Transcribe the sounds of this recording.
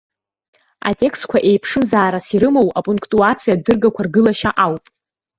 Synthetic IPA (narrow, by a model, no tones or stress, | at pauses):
a̰tʲʼe̞kstkʷʰaʔe̞jpʰʂɨmzaːɾasiɾɨmo̞wapʼuŋkʼtʼuat͡sʰijadɨrɡakʷʰarɡɨlaʃaʔawpʼ